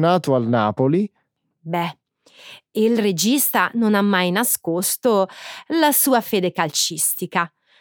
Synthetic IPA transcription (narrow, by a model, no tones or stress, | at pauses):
naːt̪oalnaːpoli | bɛ | ilred͡ʒist̪anonamːajnaskost̪olasuːafeːd̪ekalt͡ʃist̪ika